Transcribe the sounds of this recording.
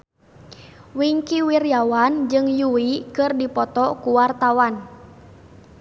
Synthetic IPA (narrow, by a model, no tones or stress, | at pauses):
wiŋkiwirjawand͡ʒɨŋjuwikɨrdipɔt̪ɔkuwart̪awan